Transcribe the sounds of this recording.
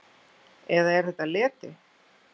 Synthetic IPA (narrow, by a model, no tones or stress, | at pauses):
ɛðaɛɾ̥θɛht̪alɛːt̪ɪ